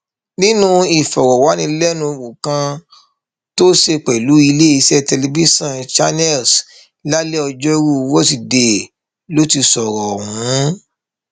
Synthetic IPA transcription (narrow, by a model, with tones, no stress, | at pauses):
nĩ˦nũ˦i˨fɔ˨ɾɔ˨wa˨˦nĩ˧lɛ˦nũ˧wu˨kã˧ | to˦ʃe˧k͡pɛ˨lu˨˦i˧le˦i˧sɛ˦tɛ˧le˧bi˦sɔ̃˦nt͡ʃa˧nɛ˦˨ls | la˦le˦ɔ˧d͡ʒɔ˦ɾu˦˧wo˦ti˨de˨ | lo˦ti˧sɔ˨ɾɔ˨ɦũ˨˦